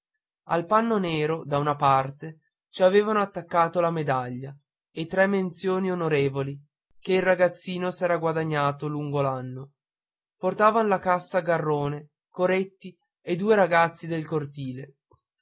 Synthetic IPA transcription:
a̰lpanːoneːɾod̪aunapart̪e | t͡ʃiaveːvanoat̪ːakːaːt̪olamed̪aʎːa | et̪ːɾɛmːent̪sjoːnionoɾeːvoli | keilraɡat̪sːiːnosɛːɾaɡwad̪aɲːaːt̪oluŋɡolanːo | port̪aːvanolakasːaɡarːoːne | koɾet̪ːi | ed̪uːeɾaɡat̪sːid̪elkort̪iːle

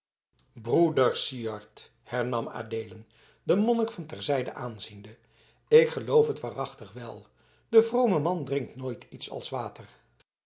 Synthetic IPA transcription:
brudəɹsiɑɹt | hɛɹnɑma̰ːdeːlən | dəmɔnəkfɑntɛɹzɛjdə̰ʔaːnzində | ɪkχəlowfɦətʋaːrɑχtəχʋɛlˠ | d̥əvrowməmɑndrɪŋk̚tnoːjtʰitsɑ̰lˠsʋaːtər

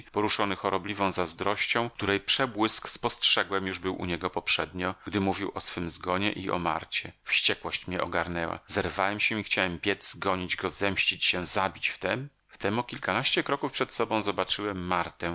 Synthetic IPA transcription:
pɔɾuʂɔnɘxɔɾɔblʲivɔ̃w̃zazd̪ɾɔɕt͡ɕɔ̃w̃k̚t̪uɾɛjpʂɛbwɘskspɔstʂɛɡwɛmjuʐbɘwʔṵɲɛɡɔpɔpʂɛd̪ɲɔɡ̥d̪ɘmuvʲiwʔɔsfɘmzɡɔɲɛ̰ʔiʔɔ̰ma̰ɾt͡ɕɛfɕt͡ɕɛkwɔɕt͡ɕmɲɛʔɔɡaɾnɛwa̰zɛɾvawɛmɕɛixt͡ɕawɛmpʲjɛd̪zɡɔɲid͡ʑɡɔzɛmɕt͡ɕit͡ɕɕɛzabʲit͡ɕft̪ɛm | ft̪ɛmukʲilkanaɕt͡ɕɛkɾɔkufpʂɛt̪sɔbɔ̃w̃zɔbat͡ʂɘwɛmːaɾt̪ɛ

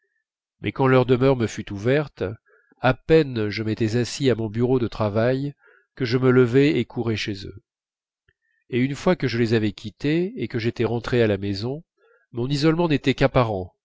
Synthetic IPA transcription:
mʔɛ̰kɑ̃lœʁd̪əmœʁməfyt̪uvɛʁt̪ | apɛnʒəmet̪ɛzasiamɔ̃byʁod̪ət̪χavaj | kəʒəmələvɛekʰuʁɛʃezø̰ | eynfwakəʒəlezavɛkʲʰit̪eekəʒet̪ɛʁɑ̃t̪χealamezɔ̃ | mɔ̃nizɔlmɑ̃net̪ɛkapaʁɑ̃

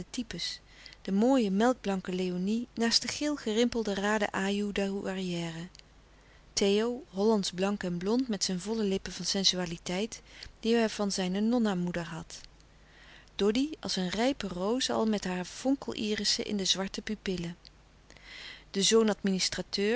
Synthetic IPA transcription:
ətipəs | d̥əmoːjəmɛlˠɡ̚blɑŋkəlejoninaːstdəχɪːlˠχərɪmpəlˠdəraːdə̰ʔaːjudauʔariɛːrə | tejowɦɔlɑntzblɑŋkɛnblɔntmɛtsɛjnvɔləlɪpəvɑnsɛnzyaːlitɛjtd̥iɛv̥ɑnzɛjnənɔnamudəɹɦɑt | d̥ɔdiɑ̰sənrɛjpərowzəɑ̰lˠmɛtɦaːɹfɔŋkəlˠʔiːrəsə̰ʔɪ̰ndəzʋɑɹtəpypɪlə | d̥əzownɑtministratøː

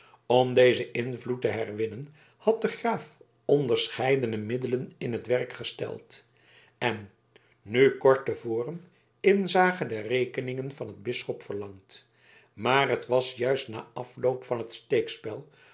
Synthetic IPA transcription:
ɔmdejzəʔɪnvlutəɦɛrʋɪnən | hɑt̚dəχraːf | ɔndəɹsχɛjdənəmɪdələnɪnɦətʋɛrkχəstɛ̰lˠt | ɛnː | ykɔɹtəvoːrəm | ɪnzaːχədərejkənɪŋənvɑnɦəd̚bɪsχɔpfəɹlɑŋt | maːrɦətʋɑsjœɥstna̰ːʔɑflowpfɑnɦətstejkspɛlˠ

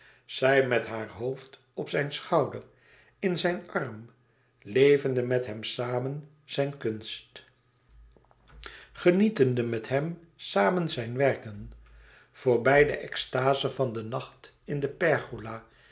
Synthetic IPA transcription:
z̥ɛjmɛtɦaːɹɦowft | ɔpsɛjnsχɑwdəɹ | ɪnzɛjnɑrm | lejvəndəmɛtɦɛmsaːmən | z̥ɛjnkɵnst | χənitəndəmɛtɦɛm | saːmənzɛjnʋɛrkən | v̥ʊːɹbɛjdə̰ʔɛkstaːzəvɑndənɑχt | ɪndəpɛɹχulaː

